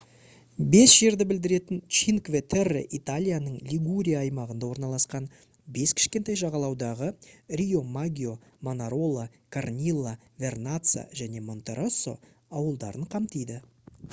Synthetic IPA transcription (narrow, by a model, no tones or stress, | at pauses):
be̞sʒ̥e̞ɾd̪ɪbɪld̪ɪɾe̞t̪ɪnt͡ʃinkvet̪ʰerḛʔit̪alʲijanəɴlʲiɡuɾʲijaːjmɑʁənd̪ɑwo̞ɾnɑlˠɑsqɑn | be̞skʲʰɪ̥ʃkʲe̞nt̪ɑjʒɑʁɑlˠɑwd̪ɑʁərʲijo̞maɡʲio̞manaɾo̞lˠa | kʰarnʲilˠːa | vʲe̞rnat̪sa̰ʒæne̞mo̞nt̪e̞ɾoso̞̰ | ɑwəlˠd̪ɑɾəɴqʰɑmt̪əjd̪ɪ